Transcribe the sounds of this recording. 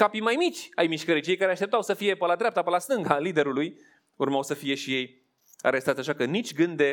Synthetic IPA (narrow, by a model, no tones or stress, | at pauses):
kapimajmit͡ʃʲajmiʃkəɾijt͡ʃiejkaɾeaʃt̪ept̪awsəfije̞pəlad̪ɾʲap̚t̪apəlast̪ɨŋɡalid̪e̞ɾuluj | urmawsəfije̞ʃije̞j | a̰ɾe̞st̪at̪sʲaʃakənit͡ʃʲɡɨnd̪d̪e̞